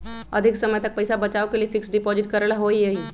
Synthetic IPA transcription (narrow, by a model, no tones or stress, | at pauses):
əd̪ʱiksəməjt̪ək̚pəjsabət͡ʃawkeliefɪksɖipoziʈ̪kəɾlaɦoijəi